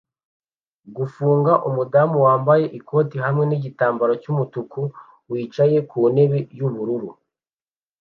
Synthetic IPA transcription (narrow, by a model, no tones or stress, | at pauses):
ɡufuːŋɡaʔumudamuwaːmbaje̞ʔikʰo̞ːtiɦamŋe̞niɟitaːmbaɾo̞cumutuku | wiːt͡ʃaje̞kuːne̞βejuβuɾuɾu